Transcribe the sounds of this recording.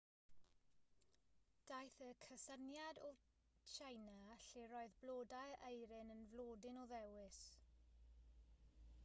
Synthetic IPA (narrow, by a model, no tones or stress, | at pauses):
d̥ajθəkʰəsənjadɔ | t͡ʃʰejnaɬiɾɔːɨðblˠoːdajʔejɾɪnənvlˠoːdɪnɔðɛwɪs